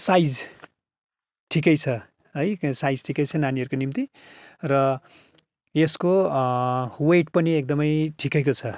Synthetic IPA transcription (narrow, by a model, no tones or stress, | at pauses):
sajd͡z | ʈʰikʌjt͡sʰʌ | ɦʌjsajd͡zʈʰikʌjt͡sʰʌnaniʌɾukonimt̪i | rʌ | esko | weʈ̚pʌniek̚d̪ʌmʌjʈʰikekot͡sʰʌ